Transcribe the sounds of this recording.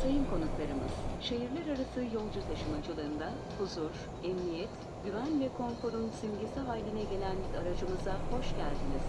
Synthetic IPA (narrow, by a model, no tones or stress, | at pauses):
sejimkʰo̞nuklˠaɾɯmɯ̰z̥ʃeɦiɾlʲæɾaɾasʰɯːjo̞lˠd͡ʒut̪ʰaʃɯmad͡ʒɯlˠɯːnd̪a | huzuɾ | ɛmnijɛt̪ | ɟyvænvɛkʰo̞nfo̞ɾunsimɟesɛɦaːjlʲinɛɟe̞lʲænaɾad͡ʒɯmɯzaho̞ʃɟælʲd̪iniz̥